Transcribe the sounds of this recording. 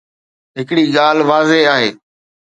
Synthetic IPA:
ɦɪkɪɽiːɠaːlʋaːzeaːɦeː

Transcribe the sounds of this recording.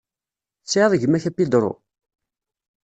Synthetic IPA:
t͡sːʕðˤʝəmːæçæpːid̪ɾˤo̰

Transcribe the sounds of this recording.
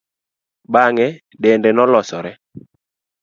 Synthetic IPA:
baŋɛ | dɛndɛnɔlɔsɔɾɛ

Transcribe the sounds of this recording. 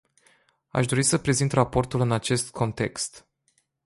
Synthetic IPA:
a̰ʃd̪o̞ɾisəpɾe̞zint̪rapo̞rt̪ulɨnat͡ʃe̞st̪̚kʰo̞nt̪e̞kst̪

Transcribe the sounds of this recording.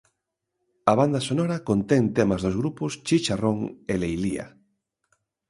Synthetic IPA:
aβand̪asonɔɾakont̪eŋt̪emazðozɣɾupʊst͡ʃit͡ʃaroŋelejlḭa̰

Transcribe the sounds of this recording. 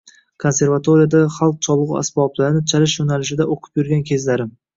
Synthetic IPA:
kʰo̞nse̞ɾvat̪ʰoɾijad̪aχalˠq̚t͡ʃʰɒlˠɨʁʊ̰a̰sbɒblaɾɪnɪt͡ʃʰalɪʃjonalɪʃɪd̪aʔoqʰɨ̥pjʊɾɡʲankʲʰe̞zlaɾɪ

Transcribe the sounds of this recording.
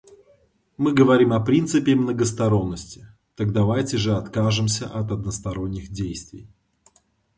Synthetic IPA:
mɨɡəvɐɾʲimɐpɾʲint̪sɨpʲɪmnəɡəst̪ɐɾo̞nːəsʲtʲɪ̥ | t̪ɐɡd̪ɐvajtʲɪʐɨɐt̪kaʐɨmsʲə̰ʔɐt̪ɐd̪̚nəst̪ɐɾo̞nʲːɪxdʲejst̪vʲɪ̰j

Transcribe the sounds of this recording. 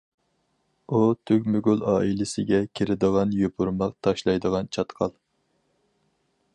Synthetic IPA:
ut̪ʰykʲmyɡʲylˠɑːilɪsɪɡʲɛkʲʰeɾɪd̪əʁɑnjopʰuɾmɑqt̪ʰɑʃlˠɑjd̪əʁɑnt͡ʃʰɑt̪qʰɑlˠ

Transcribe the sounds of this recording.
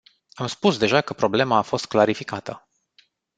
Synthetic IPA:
amspusd̪e̞ʒakəpɾo̞ble̞maːfo̞st̪̚klaɾifikat̪ə

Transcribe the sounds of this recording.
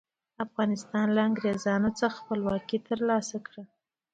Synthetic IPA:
afɣɑnɪst̪ɑnlaaŋɡɾezɑnat͡səxxpəlwɑkit̪əɾlɑsakɽə

